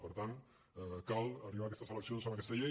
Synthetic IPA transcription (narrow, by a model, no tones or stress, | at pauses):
pəɾt̪an | kalˠəriβakɛst̪əsələksionsəməkɛst̪əʎe